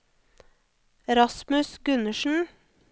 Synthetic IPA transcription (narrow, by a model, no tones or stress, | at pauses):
ɛɾɑsmʉsɡʉnəʃn̩